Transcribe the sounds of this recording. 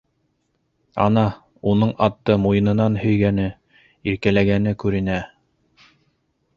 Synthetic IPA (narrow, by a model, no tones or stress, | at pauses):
ɑ̰nɑ | unɤɴɑt̪ːɤmujɤ̆nɤ̆nɑnhɵ̆jɡænɘ | iɾkælæɡænɘkʉɾɘ̆næ